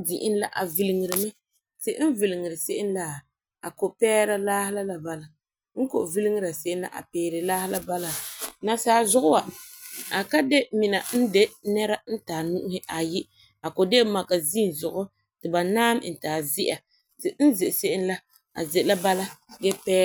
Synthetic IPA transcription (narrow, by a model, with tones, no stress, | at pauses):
di˨ʔɪ˦n˦la˦ʔa˨vi˨lɪ˨ŋɪ˨ɾɨ˨mɨ˦ | tɪ˨˦n̩˦vi˨lɪ˨ŋɨ˨ɾɨ˨se˦ʔɪ˦n˦la˨ | a˨ko˨pɛː˦ɾa˦laː˦hɪ˦la˦la˨ba˦la˦ | ŋ̩˦ko̰˨vi˦li˦ŋɨ˦ɾa˨se˦ʔɪ˦nla̰˨ʔa̰˨pɛː˨ɾɪ˨laː˦hɪ˦la˦ba˦la˦na˨saː˨˦zʊ˦ɣʊ˦wa˨ | a˨ka˦de˦mi˨na˨n̩˦de˦nɛ˦ɾa˦n̩˦taː˨nu˦ʔʊ˦hɪ˦ʔa˨ji˦ | a˨ko˨de˦ma˨ka˨zi˦˨n˨zʊ˨ɣʊ˦ | tɨ˨ba˨naː˦m˦n̩˨taː˨zɪ˦ʔa˨ | tɨ˨n̩˦zɪ˨ʔse˦ʔɪ˦n˦la˦ | a̰˨zɪ˨ʔla˦ba˦la˦ɡɛ˦pɛː˦